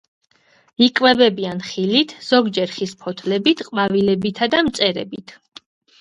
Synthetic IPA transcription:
ikʼvɛbɛbianχilit̪ʰz̥ɔɡd͡ʒɛɾχispʰɔt̪ʰlɛbit̪ʰqʼmavilɛbit̪ʰad̪amt̪sʼɛɾɛ̰bit̪ʰ

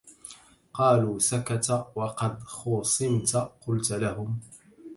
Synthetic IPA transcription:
qɑːluːsakat̪wɑqɑd̪xʊːsˤɨmt̪qʊlt̪lahʊm

